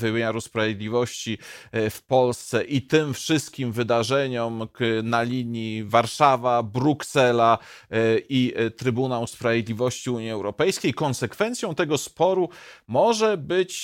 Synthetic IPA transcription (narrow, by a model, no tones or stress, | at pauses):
vɘmʲeɲaɾuspɾavʲjed̪lʲivɔɕt͡ɕifpɔlst̪sɛʔit̪ɘmfʂɘst̪̚kʲimvɘd̪aʐɛɲɔmnalʲiɲivaɾʂavabɾuksɛla | ʔit̪ɾɘbunawspɾavjed̪lʲivɔɕt͡ɕiuɲiɛwɾɔpɛjskʲejkɔnsɛkfɛnt̪sʲjɔ̃w̃t̪ɛɡɔspɔɾumɔʐɛbɘt͡ɕ